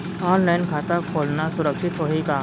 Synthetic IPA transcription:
ɔːnlaɪnkʰaːt̪akʰoːlnasʊɾəkʃɪt̪ɦoːɦeɡaː

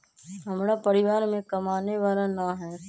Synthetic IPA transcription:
ɦɐmɾapɐɾɪʋaːɾmẽkɐmaːneʋaːlanaɦɛː

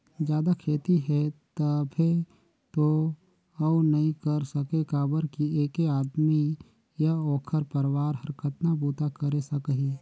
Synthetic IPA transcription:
d͡ʒjaːd̪akʰeːt̪iɦɛt̪əbʱe | t̪o | əunɐɦĩkəɾsəkekaːbəɾkieːkeaːd̪mi | jaoːkʰəɾpəɾwaːɾɦɐɾkʰət̪nabuːt̪akəɾesəkəɦi

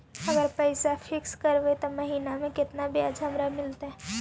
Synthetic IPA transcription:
ɐɡəɾpəɪsafʰɪkskəɾbet̪omɐɦiːnamẽkɪt̪nabjad͡ʒɦɐmɾamɪlt̪aɦɛ

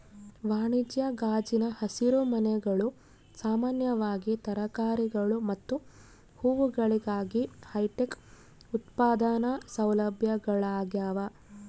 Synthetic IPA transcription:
ʋaːɳid͡ʒjɐɡaːd͡ʒinɐhɐsiɾumɐnɛɡɐɭu | saːmaːnjɐʋaːɡit̪ɐɾɐkaːɾiɡɐɭumɐt̪ːu | huːʋuɡɐɭiɡaːɡihɐjʈek | ut̪paːd̪anɐsɐwlɐbʱjɐɡɐɭaːɡjaːʋɐ

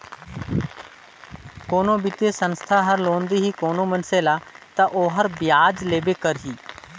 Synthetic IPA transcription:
koːnoːbɪt̪eːsənst̪ʰaːɦəɾloːnd̪iːɦiːkoːnõːmənseːlaːt̪ãːʔoːɦəɾbɪjaːd͡ʒleːbeːkəɾɦiː

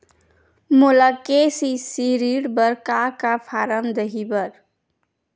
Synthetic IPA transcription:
molakesisiɾiɽbəɾkakapʰaɾəmd̪əɦibəɾ

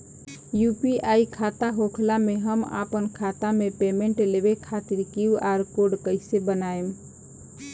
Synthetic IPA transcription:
jupiaːikʰat̪aɦokʰlameɦəma̰pənkʰat̪amepemẽɳʈlebekʰat̪iɾkiuaɾkoɖkəɪsebənaem

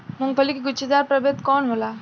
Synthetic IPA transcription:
mʊŋɡfəlikiɡʊt͡ʃːed̪aːɾpɾɐbet̪kɔːnɦolaː

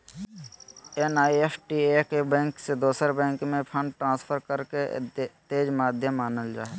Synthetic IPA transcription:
enaːiesʈiekebɛ̃ːŋksed̪oːsəɾbɛ̃ːŋkmẽpʰə̃ɳɖʈɾãːspʰəɾkəɾket̪eːd͡ʒmaːd̪ʱjəmːaːnəld͡ʒa̰ːe

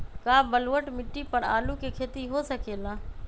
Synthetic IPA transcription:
kaːbəlʋəʈmɪʈːipəɳa̰ːlũkekʰeːt̪iɦoːsəkeːlãː

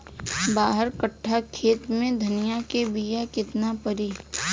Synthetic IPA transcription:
baːɦəɾkəʈʰːakʰeːt̪mẽd̪ʱɐnɪjakebijakɪt̪napəɾiː

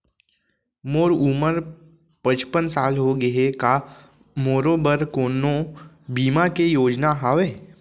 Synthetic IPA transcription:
moːɾuməɾ | pə̃t͡ʃpənsaːlɦoɡəɦeka | moːɾoːbəɾkoːno | biːmakejoːd͡ʒnaɦaːʋeː

